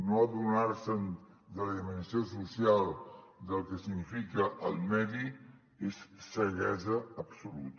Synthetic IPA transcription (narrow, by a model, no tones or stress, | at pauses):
noadunaɾsən | d̪ələðimənsiosusialˠ | d̪əlˠkəsiɡnifikəʔəlˠmɛði | esːəɣɛzəəbsulṵt̪